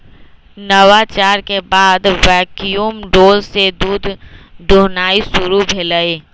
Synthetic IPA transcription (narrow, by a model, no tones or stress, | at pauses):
nəwat͡ʃaːɾkebaːd̪ʋɛːkijumɖoːlsed̪uːd̪ʱd̪oːnaːisʊɾubʱeːləe